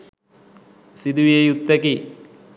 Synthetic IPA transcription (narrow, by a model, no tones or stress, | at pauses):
sid̪uʋijejut̪ːɐki